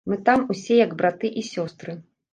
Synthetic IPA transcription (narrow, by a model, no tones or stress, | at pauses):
mɨt̪amusʲɛjɐɡbɾat̪ɨʔisʲɔst̪ɾɨ